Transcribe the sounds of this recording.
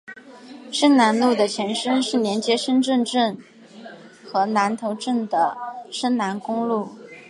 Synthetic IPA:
ʂə˥nna˧˥nlu˥˩d̪ə˩t͡ɕʰjɛ˧˥nʂə˥nʂɻ̩˥˩njɛ˧˥nt͡ɕjɛ˥ʂə˥nʈ͡ʂə˥˧nʈ͡ʂə˥˩n | xɤ˧˥na˧˥nt̪ʰo˧˥ʊʈ͡ʂə˥˩nd̪ə˩ʂə˥nna˧˥nkʊ˥ŋlu˥˩

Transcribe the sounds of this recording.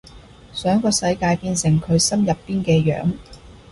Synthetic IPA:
sœː˨˥ŋkɔː˧sɐ˧jkaː˧jpiː˧nsɪ˨˩ŋkʰɵ˨˧ɥsɐ˥mjɐ˨pːiː˥nkɛː˧jœ̰ː˨˥ŋ

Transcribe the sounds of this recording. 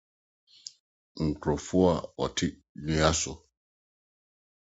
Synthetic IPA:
ŋ̩˨kɾɔ˨fu˦a˦˨wa̰˨tʰi˦ | li˨a˦sɔ˨

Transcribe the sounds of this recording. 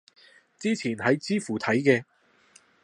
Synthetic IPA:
t͡siː˥t͡sʰiː˨˩nhɐ˨˧jt͡siː˥fuː˨˩t̪ʰɐ˨˥jkɛː˧

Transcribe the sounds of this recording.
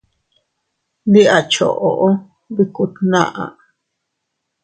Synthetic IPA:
d̪i˦ʔa˨t͡ʃo̰˨ʔo˨ʔo˦ | bi˧ku˧t̪nã̰˦ʔa̰˨

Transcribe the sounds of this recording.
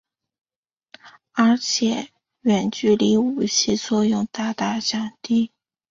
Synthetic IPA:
ə˞˧˥t͡ɕʰjɛ˨˩˦ | ɥɛ˨˩nt͡ɕy˥˩li˧˥u˨˩t͡ɕʰi˥˧t͡swɔ˥˧jʊ˥˧ŋt̪a˥˧t̪a˥˩ɕjɑ˨˩ŋt̪i˥˩

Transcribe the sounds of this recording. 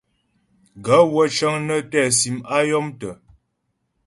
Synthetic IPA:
ɡa˨˦wə˦t͡ʃə˦ŋnə˦tɛ˦˨si˨ma˦jɔ˦mtə˨

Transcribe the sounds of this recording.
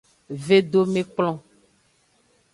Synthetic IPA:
ve˦ɖo˦mẽ˦k͡plɔ̃˦

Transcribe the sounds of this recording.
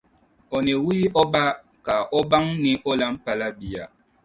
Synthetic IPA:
ɔ˨ne˨wi˦ʔɔ˦ba˦ | ka˨ʔɔ˦ba˦ŋnĩ˦ʔɔ˦la˦m̩˦pa˨la˦bi˨a̰˨

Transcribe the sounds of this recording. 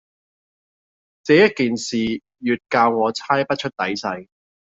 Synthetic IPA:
t͡sɛː˨˥jɐ˥t̚kiː˨nsiː˨ | jyː˨t̚kaː˧wŋɔː˨˧t͡sʰaː˥jpɐ˥t̚t͡ʃʰɵ˥t̚t̪ɐ˨˥jsɐ˧j

